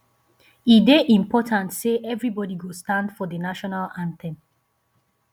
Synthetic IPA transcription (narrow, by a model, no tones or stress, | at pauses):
ideʔĩmpʰɔtʰãntseʔɛvɹibɔdiɡostãndfɔdənaʃɔnalãntʰɛ̃n